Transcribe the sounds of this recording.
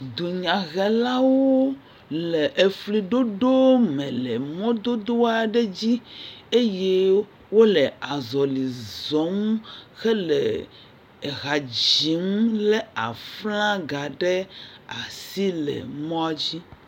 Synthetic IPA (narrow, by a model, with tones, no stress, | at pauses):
d̪u˨ɲã˨ɣɛ˨la˦wo˦ | lɛ˨ʔe˨fli˨ɖo˦ɖo˦mɛ̃˨lɛ˨mɔ̃˦d̪o˦d̪o˦a˨ɖe˦d͡ʑi˦e˦je˦ | wo˦lɛ˨a˨zɔ˨li˨zɔ˨˦mxɛ˦lɛ̰˨ | ɣa˨d͡ʑi˨˦mlɛ˦a˨flã˦ɡa˨ɖɛ˦a˨si˦lɛ̰˨mɔ̃˦a˨d͡ʑi˦